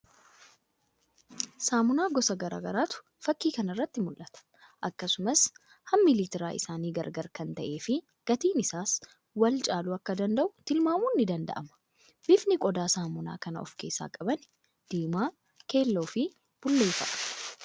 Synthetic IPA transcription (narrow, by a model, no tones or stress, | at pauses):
saːmʊnaːɡɔsɐɡɐɾa̰ːɡɐɾaːt̪ʊ̥ | fɐkːiːkɐnɐrːɐt̪ːɪmʊlʔɐt̪ɐ̥ | ʔɐkːɐsʊmɐs | hɐmːɪliːt̪ɪɾaːʔɪ̰saːniːɡɐɾɡɐɾkɐnt̪ɐʔe̞ːfɪ | ɡ̥ɐt̪iːnɪsaːs | wɐlt͡ʃʼaːlʊɐkːɐd̪ɐnd̪ɐʔʊt̪ɪlmaːmuːnːɪd̪ɐnd̪ɐ̰ʔɐmɐ̥ | bɪfnɪkʼɔd̪aːsaːmʊna̰ːkɐnɐ̰ɔ̰fke̞ːsːa̰ːkʼɐbɐn | d̪̥iːmaː | ke̞ːlːo̞ːfɪ | b̥ʊlːe̞ːfɐ̰ʔ